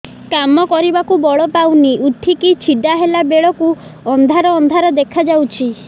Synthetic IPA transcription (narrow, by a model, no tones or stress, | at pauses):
kamɔkɔɾibakubɔɭɔpawniʔuʈʰikit͡ʃʰiɖaɦelabeɭɔku | ɔnd̪ʱaɾɔːnd̪ʱaɾɔd̪ekʰad͡ʒawt͡ʃʰi